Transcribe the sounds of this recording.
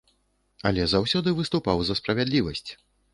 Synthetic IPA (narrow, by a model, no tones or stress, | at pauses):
ɐ̰lʲɛzawsʲɔd̪ɨvɨst̪upawzɐspɾɐvʲad̪lʲivɐsʲt͡sʲ